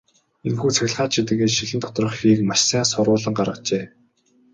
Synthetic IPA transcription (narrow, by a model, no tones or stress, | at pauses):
enxuːt͡sʰæɣʲɪ̆ɮχaːt͡ɕʰit̪̬ɘ̆ɣeːʃiɮɘ̆nt̪ʰɔ̥t̪̆rɞə̆χxiːk̚maʃsæːsʊɾʊːɮə̆ŋɢarʁə̆qt͡ɕeː